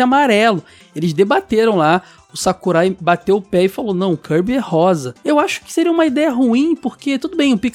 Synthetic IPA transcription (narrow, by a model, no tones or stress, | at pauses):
amaɾɛlʊ | elɪzd̪ebat̪eɾɐ̃w̃la | ʊsakuɾajbat̪ewʊpɛɪfalonɐ̃w̃ʊkʰɐɾbiɛhɔzɐewaʃʊ̥kɪ̥seɾiɐũmɐid̪ɛjɐɦuĩpoɾket̪ud̪ʊbẽj̃ʊpik